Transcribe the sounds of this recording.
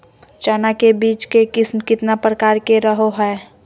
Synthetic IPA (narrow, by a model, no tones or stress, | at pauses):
t͡ʃaːnakebiːt͡ʃkekɪsmkɪt̪napɾəkaːɾkeɾəɦoɦɛː